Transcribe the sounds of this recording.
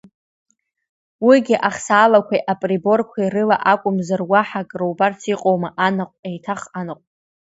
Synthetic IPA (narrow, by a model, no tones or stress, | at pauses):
wiɡʲɪʔaχsaːlakʷʰajʔapʼribo̞rkʷʰairɨla̰ʔakʷʼʊmzarwaħakʼrowbart͡sʰiqʼo̞wmaʔanaqʷʼejtʰaχanɨqʷʼ